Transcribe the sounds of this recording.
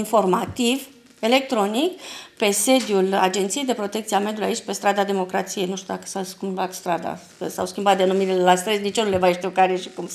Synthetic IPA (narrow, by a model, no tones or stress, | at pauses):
info̞rmat̪iv | e̞le̞k̚t̪ɾo̞nikpe̞se̞d̪jula̰d͡ʒe̞nt̪siejd̪e̞pɾo̞t̪ekt̪sieame̞d̪julijait͡ʃʲpe̞st̪ɾad̪ad̪e̞mo̞kɾat̪sije̞jnuʃt̪jud̪akə̥sawskʲimbat̪st̪ɾad̪a̰ | kəsa̰wskʲimbat̪̚d̪enumiɾilelast̪ɾesnit͡ʃonule̞vaʃt̪iuwkaɾeʃi̥kum